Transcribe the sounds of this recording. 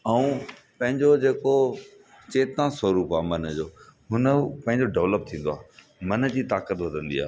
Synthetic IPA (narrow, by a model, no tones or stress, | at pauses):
ɐũ | pɐ̃ɦɪ̃ɲd͡ʑod͡ʑeːko | t͡ɕeːt̪ãsɐɾuːpaːmɐnəd͡ʑoːɦʊnəpɐ̃ɦɪ̃ɲd͡ʑoɖɛʋləp̚t̪ʰĩːn̆d̪oaː | mɐnəd͡ʑiːt̪aːkət̪ʋɐd̪ʱə̃nd̪ia̰ː